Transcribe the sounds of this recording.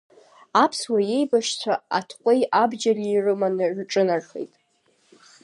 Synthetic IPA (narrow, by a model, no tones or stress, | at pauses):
apʰswaje̞jbaʃt͡sʷʰaa̰tʰqʷʼejabd͡ʒariːrɨmanɨrʈ͡ʂʼɨnarχḛjtʼ